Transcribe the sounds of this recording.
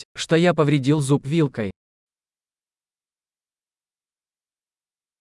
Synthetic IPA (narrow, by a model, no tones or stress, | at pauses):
ʂt̪ojapəvɾʲɪdʲilˠzupvʲilˠkəj